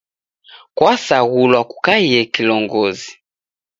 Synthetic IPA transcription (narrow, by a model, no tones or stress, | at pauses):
kwasaɣulwaku̥kaijɛkilɔŋɡɔzi